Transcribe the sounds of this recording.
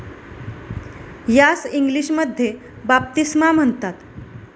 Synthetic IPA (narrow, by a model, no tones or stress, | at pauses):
jasiŋɡliɕməd̪ʱje | bap̚t̪ismam̤əɳt̪at̪